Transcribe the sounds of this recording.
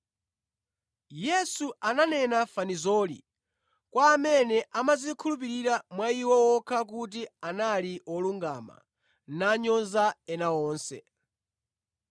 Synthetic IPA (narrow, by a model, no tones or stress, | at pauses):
jɛsuananɛnafanizɔːlḭ | kwaːmɛnɛʔamazikʰulup̬iɾiɾamwaiwɔwɔkʰak̬ut̬ianaliɔluŋɡama̰ | naɲɔnzaɛnaɔːnsɛ̰